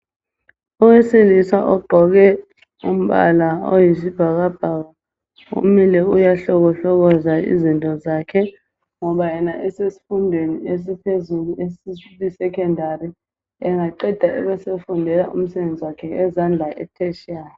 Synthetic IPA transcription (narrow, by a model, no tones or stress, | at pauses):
ɔwɛselisaʔɔɡ͡ǃʱɔk̬ɛ | um̩ɓa̰lao̰jisib̥ʱak̬ab̥ʱaka | ṵmilɛujaɬɔk̬ɔɬɔk̬ɔzaḭzintʼɔzaːkʰɛ | ŋɔɓajɛnaʔɛsesi̥fundʱwenies̬ipʰezuluesisɛkʰɔndʱari | ɛŋaǃɛd̥ʱaʔɛ̰ɓɛsefundʱɛlaʔṵm̩sɛɓend͡zʱiwakʰɛɛzand͡ɮʱaʔɛ̰tʰɛʃa